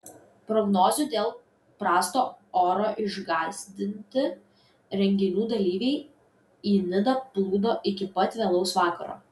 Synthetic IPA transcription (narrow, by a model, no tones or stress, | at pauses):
pɾɔɡnoːzʲud̪ʲeːlˠ | pɾɑːst̪oːoːɾoːʔɪʒɡɑːzʲd̪ʲɪnʲt̪ʲɪ | ɾʲɛŋʲɡʲɪnʲuːd̪ɐlʲiːʋʲɛɪ | iːnʲɪd̪ɐplˠuːd̪oːʔɪkʲɪpɐt̪ʲʋʲeːlˠɒʊsʋɑːkɐɾo̰ː